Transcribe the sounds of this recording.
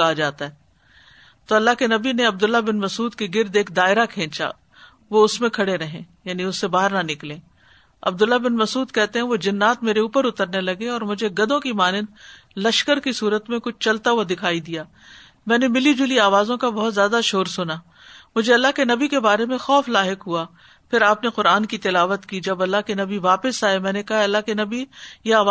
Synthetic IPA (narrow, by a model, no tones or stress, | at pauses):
ɦad͡ʒaːt̪aɦɛː | t̪oɐlːaɦkenɐbinẽɐb̚d̪ʊlːabɪnmɐsuːd̪keɡɪɾd̪eːkʰd̪aːɪɾakʰẽːt͡ʃa̰ | ʋoʊsmẽkʰɐɽeɾɐɦẽː | jaːniʊsːebaːɦəɾnanɪklẽː | ɐ̰b̚d̪ʊlːabɪnmɐsuːd̪kɛɦt̪eɦɛ̃ʋod͡ʒɐnːaːt̪meːɾeuːpəɾʊt̪əɾnelɐɡeɔːɾmʊd͡ʒʱeɡɐd̪õkimaːnɪ̃n | lɐʃkəɾkisuːɾət̪mẽkʊt͡ʃʰt͡ʃɐlt̪aʋad̪ɪkʰaːid̪ijaː | mɛ̃ːnemɪlid͡ʒʊliaːʋaːzõkabɔɦʊt̪zjaːd̪aʃoːɾsʊnaː | mʊd͡ʒʱeɐlːaɦkenɐbikebaːɾemẽxɔːflaːɦɪkɦuaː | pʰɪɾaːpneqʊɾaːnkit̪ɪlaːʋət̪kid͡ʒɐbɐlːaɦkenɐbʱiʋaːpɪsaːemɛ̃ːnekɐɦaɐlːaɦkenɐbijeaːa